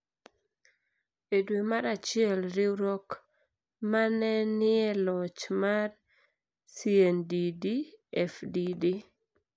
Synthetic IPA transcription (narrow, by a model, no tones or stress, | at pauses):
edwemaɾat͡ʃɪɛlɾɪɾɔk | manɛnɪɛlɔt͡ʃmar | siendidiɛfdidi